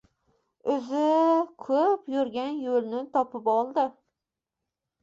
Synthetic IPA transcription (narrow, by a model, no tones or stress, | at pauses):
ɵzɪkʰɵpjʊɾɡʲanjolnɪt̪ʰɒpʰɪpɒlˠd̪ɪ